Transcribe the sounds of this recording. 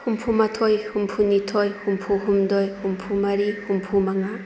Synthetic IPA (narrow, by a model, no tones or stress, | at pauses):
humpʰumatʰojhumpʰunitʰojhumpʰuɦumdojhumpʰumaɾihumpʰumaŋa